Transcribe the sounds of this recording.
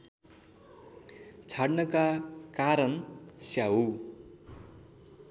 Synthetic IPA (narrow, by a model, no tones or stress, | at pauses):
t͡sʰaɽnʌkakaɾʌnsjaɦu